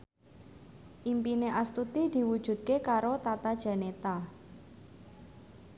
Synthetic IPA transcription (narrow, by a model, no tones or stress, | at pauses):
ʔimpineʔast̪ut̪id̪̥i̤wud̥ʒ̥ṳd̪̥̚kekaɾot̪at̪ad̥ʒ̥a̤net̪a